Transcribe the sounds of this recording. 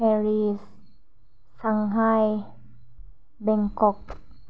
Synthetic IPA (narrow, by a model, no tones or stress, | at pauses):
ɛɾisː | aŋɦaj | bɛŋkok̚